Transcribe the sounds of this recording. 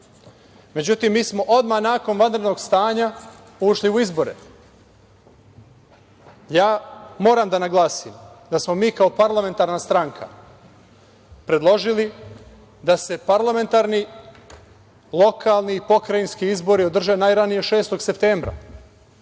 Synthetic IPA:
me̞d͡ʑut̪imːiːsmo̞ʔo̞d̪manaːko̞nʋand̪ɾe̞d̪no̞ɡst̪aːɲa | uʃliuizbo̞ɾḛ | jaːmo̞ːɾamd̪anaɡlˠaːsimd̪asmo̞miːkao̞paɾlˠame̞nt̪aːɾnast̪ɾaŋkʰa̰ | pɾe̞d̪lˠo̞ʒili | d̪ase̞paɾlˠame̞nt̪aɾni | lˠo̞kʰaːlˠniːpo̞kɾajinskiizbo̞ɾiod̪r̩ʒenajɾanijeʃe̞ːst̪o̞ɡse̞p̚t̪e̞ːmbɾa̰

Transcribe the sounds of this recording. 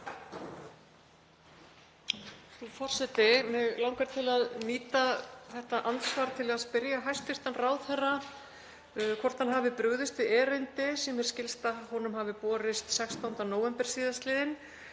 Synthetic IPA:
θufɔr̥sɛt̪ɪmɛðlawŋkaɾ̥t̪ʰɪlaðmiːt̪aθɛht̪aʔansvaːɾt̪ʰɪlaðspɪɾjaɦajst̪ɪr̥t̪anrawðθɛrːa | kʰvɔr̥t̪hanɦaːvɪpɾʏɣðɪst̪vɪɛːɾʏnt̪ɪsɛmɛɾ̥scɪlst̪ahɔnʏmhaːvɪpɔːɾɪst̪sɛkst̪awnt̪anoːwvɛmpɛɾ̥siːðast̪lɪːðɪn

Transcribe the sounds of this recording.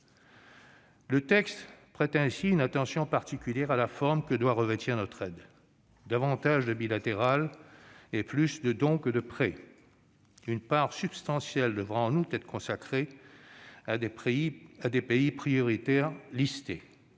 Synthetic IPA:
lət̪ɛkst̪pχɛt̪ɛ̃siynat̪ɑ̃sjɔ̃paʁt̪ikʲyljɛʁalafɔʁmkəd̪waʁəvet̪ʰiʁnɔt̪χɛd̪ | d̪avɑ̃t̪aʒd̪əbilat̪eʁal | eplysd̪əd̪ɔ̃kəd̪əpχɛ | ynpaʁsypst̪ɑ̃sjɛld̪əvʁaɑ̃nut̪ɛt̪χəkɔ̃sakχe | ad̪epeipχijɔʁit̪ɛʁlist̪e

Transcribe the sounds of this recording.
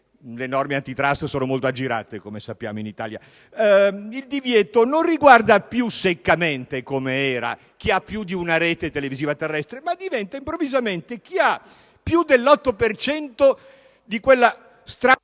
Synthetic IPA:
lenɔrmeant̪it̪ɾast̪soːnomolt̪oad͡ʒːiɾa̰ːt̪ekomesapːja̰ːmoinit̪a̰ːlja̰ | ild̪ivjɛːt̪ononriɡward̪apjusekːament̪ekomeɛːɾa̰ | k̟iapːjud̪iunaɾeːt̪et̪eleviziːvat̪erːɛst̪ɾemad̪ivɛnt̪aimpɾovːizament̪ek̟ia | pːjud̪elːɔt̪ːopert͡ʃɛnt̪o | d̪ikwelːa | st̪ɾa

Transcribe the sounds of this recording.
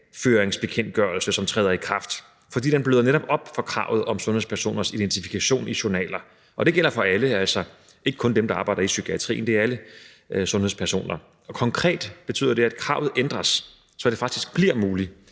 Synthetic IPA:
føːʁeŋsb̥e̝kʰen̰d̥̚ɡ̥ɶɐl̩səsɒ̽mt͡sʰʁɛːð̞ˠɐikʰʁɑ̈fd̥ | fɒ̽d̥ḭːd̥enb̥løːðˠɐneɾɒ̽b̥ɒ̽b̥fɒ̽kʰʁɑ̈ʊð̞̩ˠɒ̽msɔ̽nheðˠspʰæɐso̝̰ːnɐsid̥ent͡sʰifi̥kʰæɕo̝̰ːniɕonɛ̰ːlɐ | ʔɒ̽d̥e̝ɡ̥el̰ɐfɒ̽æləæl̰sɒ | ʔe̝ɡ̥əkʰɔ̽nd̥emd̥ɑ̈ːb̥ɑ̈ɪdɐisykʰiæt͡sʰʁḭːnd̥eæɐælə | sɔ̽nheðˠspʰæɐso̝̰ːnɐ | ɒ̽kʰɒ̽ŋkʰʁɛ̰ːd̥b̥e̝t͡sʰy̰ːðˠɐd̥e̝æd̥̚kʰʁɑ̈ʊð̩ˠʔend̥ʁɐsː | ɒ̽d̥efɑ̈ɡ̥̚d̥isɡ̥̚b̥liɐmuːli

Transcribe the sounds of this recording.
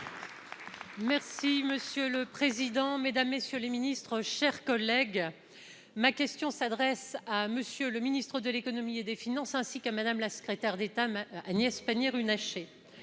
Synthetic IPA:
mɛʁsiməsjøləpχezid̪ɑ̃med̪amːesjøleminist̪χəʃɛʁkɔlɛɡ | makʲɛst̪jɔ̃sad̪ʁɛsaməsjøləminist̪χəd̪əlekɔnɔmied̪efinɑ̃sɛ̃sikamad̪amlasə̥kχet̪ɛʁd̪et̪aanjɛspanjɛʁynaʃe

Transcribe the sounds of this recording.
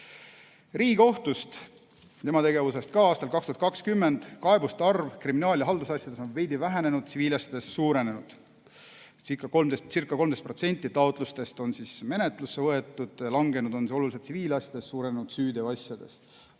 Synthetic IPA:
riːɡ̥o̞ht̪ust̪ | t̪e̞mɑt̪e̞ɡe̞vuse̞st̪̚kɑɑːst̪ɑlkɑkst̪uhɑt̪kɑkskymːe̞nd̪̥kɑebust̪ɑrvkriminɑːljɑɦɑld̪usɑsjɑd̪̥e̞so̞nve̞jd̪ivæɦæne̞nud̪̥siviːlɑsʲjɑd̪̥e̞ssuːɾe̞ne̞nud̪̥ | sikːˑɑko̞lmd̪est̪sirkːˑɑko̞lmd̪est̪pro̞t̪se̞nʲt̪ːˑit̪ɑot̪ˑlust̪e̞st̪o̞nsisme̞net̪ˑlusːevɤe̞t̪ːˑud̪̥jɑlɑŋɡe̞nud̪̥o̞nsiso̞lulis̬et̪siviːlɑsʲjɑd̪̥e̞sːuːɾenenud̪̥syːd̪eɑsjɑd̪̥e̞̰st̪

